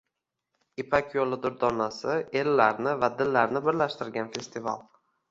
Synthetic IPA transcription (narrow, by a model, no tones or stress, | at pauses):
ipʰakʲjolˠɪd̪ʊɾd̪ɒnasɪe̞lːaɾnɪvad̪ɪlːaɾnɪbɪɾlaʃt̪ɪɾɡʲanfe̞st̪ʰɪva̰lˠ